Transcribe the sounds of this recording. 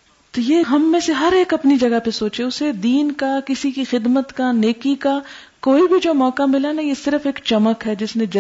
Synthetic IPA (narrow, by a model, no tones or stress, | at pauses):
t̪ojeːɦɐmːẽseɦɐɾeːkɐpnid͡ʒɐɡapesoːt͡ʃẽʊsed̪iːnkakɪsikixɪd̪mət̪kaneːkikakoːibʱid͡ʒoːmɔːkamɪlanajesɪɾəfeːkt͡ʃɐməkɦɛd͡ʒɪsnẽd͡ʒɐ